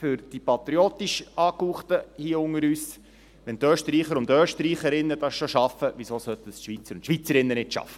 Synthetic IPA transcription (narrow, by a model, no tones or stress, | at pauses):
fʏɾd̥ipɑt̪ɾioːtiʃɑːkuːχt̪əhiəʊŋəɾyːs | ʋɛnt̪øːʃtɾiːχəɾʊntøːʃtɾiːχəɾɪnːəd̥ɑsʃoʃɑfəʋisoːsœt̪ənsʃʋit͡səɾʊnʃʋit͡səɾɪnːənɪtʃɑ̰fə̥